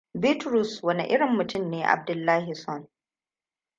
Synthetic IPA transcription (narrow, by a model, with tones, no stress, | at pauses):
bi˦tɾu˨swɐ˦ni˨ʔɪ˦ɽɪ˨mːʊ˨tʊ˦˨mneː˦ʔa̰˨b̚dʊ˨lːaː˦hi˨sɔ˦n